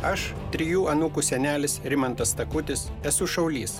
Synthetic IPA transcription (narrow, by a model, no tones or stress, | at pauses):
ɐʃ | t̪ʲɾʲɪjuːɐnukuːsʲɛnʲæːlʲɪsɾʲɪmɐnt̪ɐst̪ɐkʊt̪ʲɪsɛsʊʃɒʊlʲiːs